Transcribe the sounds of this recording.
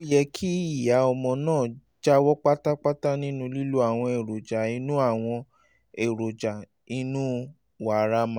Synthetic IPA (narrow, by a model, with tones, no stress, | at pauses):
jɛ˧kʰi˦i˨ja˨˦ɔ˧mɔ̃˧nãː˦˨ | d͡ʒa˦wɔ˦k͡pa˦ta˦k͡pa˦ta˦nĩ˦nũ˦li˦lu˦a˦˨w̃ɔ̃˧e˨ɾo˨d͡ʒa˨i˧˦nũ˦a˦˨w̃ɔ̃˧ | e˨ɾo˨d͡ʒa˨ | i˦nũ˦ | wa˨ɾa˦mã˨˦